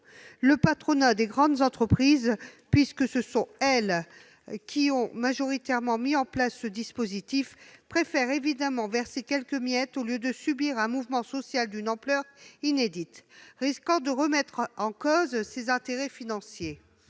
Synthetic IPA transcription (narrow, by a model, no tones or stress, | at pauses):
ləpat̪χɔnad̪eɡʁɑ̃d̪zɑ̃t̪χəpχizpɥiskəsəsɔ̃ɛl | kʲʰiɔ̃maʒɔʁit̪ɛʁmɑ̃miɑ̃plasːəd̪ispozit̪ifpχefɛʁevid̪amɑ̃vɛʁsekʲɛlkəmjɛt̪oljød̪əsybiʁɛ̃muvmɑ̃sɔsjald̪ynɑ̃plœʁined̪it̪ʁiskɑ̃d̪əʁəmɛt̪χɑ̃kɔzsezɛ̃t̪eʁɛfinɑ̃sje